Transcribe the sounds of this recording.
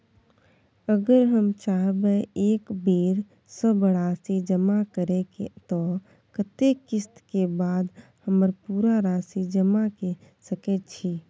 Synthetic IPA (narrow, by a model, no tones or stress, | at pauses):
əɡəɾɦəmt͡ʃaɦbeeːkbeːɾ | səbbəɽasid͡ʒəmakəɾeket̪ɔ | kət̪ekɪst̪kebad̪ | həməɾpuɾaɾasid͡ʒəmake | səkɛt̪t͡ʃʰi